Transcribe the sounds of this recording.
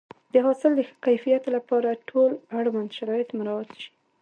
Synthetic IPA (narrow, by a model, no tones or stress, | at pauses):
d̪əɦɑsɪld̪əxə̥kajfijat̪lapɑɾaʈʰolaɽwand̪ʃaɾɑjɪt̪mʊɾawat̪ʃi̥